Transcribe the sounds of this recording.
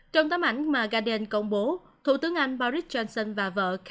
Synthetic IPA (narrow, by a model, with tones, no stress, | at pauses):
t͡ɕɔ˧wŋ͡mt̪aː˨˦mʔa˧˩jŋ̟maː˨˩ɣaː˧ɗe˧nkə˧wŋ͡mɓo˨˦ | t̪ʰṵ˧˩t̪ɨ˨˦əŋʔa˧jŋ̟ɓa˧ɾi˦˥t̚t͡ɕɔ˧nsə˧nvaː˨˩və̰ː˧˨kʰ